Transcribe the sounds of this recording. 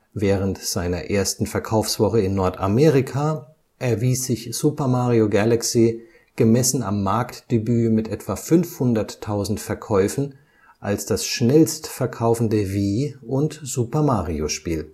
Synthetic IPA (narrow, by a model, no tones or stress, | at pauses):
vɛːʁ̞əntz̥aɪnɐ̰ʔeːɐstn̩fɛɐkʰaʊfsv̥ɔχəɪnːɔɐtʰameːʁɪkʰa | ʔɛɐviːsz̥ɪçz̥upɐmaːʁioɡalaksi | ɡ̥əmɛsn̩a̰mːaɐktd̥ebyːmɪtʔɛtv̥afʏnfhʊndɐtʰːaʊzn̩tfɛɐkʰɔʏfn̩ | ʔa̰lsd̥asʃnɛlstfɛɐkʰaʊfn̩dəviːʊntz̥upɐmaːʁioʃpiːl